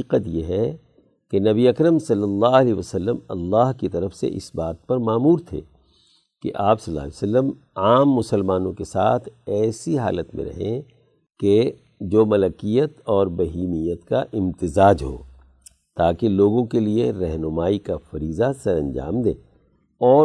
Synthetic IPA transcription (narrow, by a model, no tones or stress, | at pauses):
iːqət̪jeɦɛ | kenɐbiɐkɾəmsɐlːəlːaːɐlɛʋəsəlːəmɐ̰lːaːɦkit̪ɐɾəfsḛʔɪ̰sbaːt̪̚pɐɾmaːmuːɾt̪ʰḛː | kḛʔaːpsɐlːa̰ːlisəlːəm | aːmːʊsəlmaːnõkesaːt̪ʰɛːsiɦa̰ːlət̪mḛ̃ɾɐ̰ɦẽ | ke | d͡ʒoːmɐləkijət̪ɔːɾbɐɦiːmijət̪kaʔɪ̃mt̪ɪzaːd͡ʒɦo̰ː | t̪aːkeloːɡõkelieɾɛɦnʊmaːikafɐɾiːzasɐɾɐ̰̃nd͡ʒa̰ːmd̪ḛ̃ː | ɔː